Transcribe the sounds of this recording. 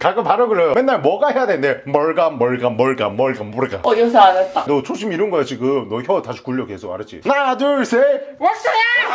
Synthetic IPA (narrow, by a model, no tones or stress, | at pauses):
kaɡɯpaɾɯɡɯɾejomenːaɭmwʌɡaɦejadwenndemʌɭɡamʌɭɡamʌɭɡa̰mʌɭɡamʌɭɡa̰josʰaanat͈adʌt͡ɕʰoɕʰimiɾɯnɡʌet͡ɕiɡɯmnʌçjʌtaɕʰi̥kuʎːʌkesʰʌa̰ɾɯd͡ʑḭnaduɭsʰemʌs͈ɯi